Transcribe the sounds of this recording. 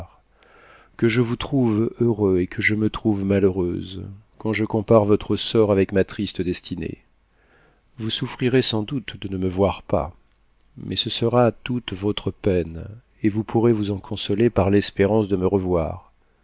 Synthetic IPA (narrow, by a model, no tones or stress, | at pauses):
ʁ | kəʒəvut̪χuvøʁøekʰəʒəmət̪χuvmaløʁø̰zkɑ̃ʒəkɔ̃paʁvɔt̪χəsɔʁavɛkmat̪χist̪əd̪ɛst̪ʰinḛ | vusufχiʁesɑ̃d̪ut̪d̪ənəməvwaʁpa̰ | mʔɛsəsəʁat̪ut̪vɔt̪χəpɛn | evupʰuʁevuzɑ̃kʰɔ̃sɔlepaʁlɛspeʁɑ̃sd̪əməʁəvwa̰ːʁ